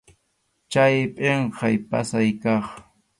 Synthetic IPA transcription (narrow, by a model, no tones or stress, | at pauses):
t͡ʃajpʼeɴqɑjpa̰sajkɑχ